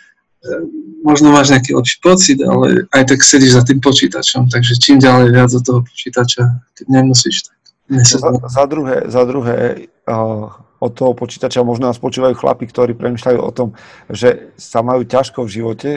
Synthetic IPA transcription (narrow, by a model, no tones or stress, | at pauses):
mɔʒnɔmaːʒɲɛakiːlɛ̰pʃi̥pɔt͡sid̪a̰lɛ̰ajt̪aksɛɟiʒzat̪̬iːmpɔt͡ʃiːt̪a̰t͡ʃɔmt̪aɡʒɛt͡ʃiːmɟalɛjʋɪad͡zɔt̪ɔɦɔpɔ̥t͡ʃiːt̪at͡ʃakɛɟɲɛmusiːʃt̪ḁk | ɲɛsɔazad̪ɾuɦɛ̰ːzad̪ɾuɦɛ̰ː | ɔt̪ːɔɦɔpɔt͡ʃi̥ːt̪at͡ʃamɔʒnɔnaspɔt͡ʃuːʋajuːxla̰pikt̪ɔɾiːpɾɛmiːʃlajṵːʔɔ̰t̪ɔmʒɛsamajuːcaʃkɔvʒiʋɔcɛ